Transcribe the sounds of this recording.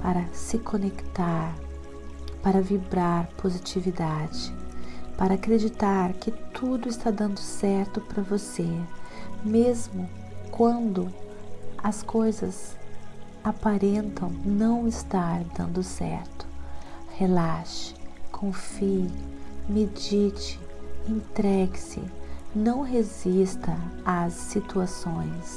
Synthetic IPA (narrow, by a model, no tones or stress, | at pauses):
paɾɐsɪkʰonekt̪aɾ | paɾɐvibɾaɾpʰozit͡ʃivid̪ad͡ʒɪpaɾɐaːkɾed͡ʒit̪aɾkɪt̪ʰud̪ʊɪst̪ad̪ɐ̃nd̪ʊsɛɾt̪ʊpɾɐvose | mezmʊ | kwɐ̃nd̪ʊ | ɐskojzɐz | apaɾẽnt̪ʰɐ̃w̃nɐ̃w̃ɪst̪aɾd̪ɐ̰̃nd̪ʊsɛ̰ɾt̪ʊ̥helaʃɪ̥kʰõfiɪmed͡ʒit͡ʃɪ̥ẽnt̪ɾɛɡɪsɪ̰nɐ̃w̃ɦezist̪ɐasːit̪uasõj̃s